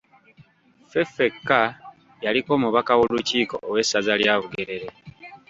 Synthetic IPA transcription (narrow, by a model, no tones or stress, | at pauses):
fefe̞kːa | jaliko̞ːmuβakawo̞luciːko̞̰ʔːwe̞sazaljaːβuɡe̞ɾe̞ɾe̞